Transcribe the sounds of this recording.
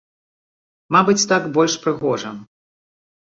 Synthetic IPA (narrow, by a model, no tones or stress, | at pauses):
mabɨt͡sʲt̪aɡbɔlʲʂpɾɨɣɔʐɐm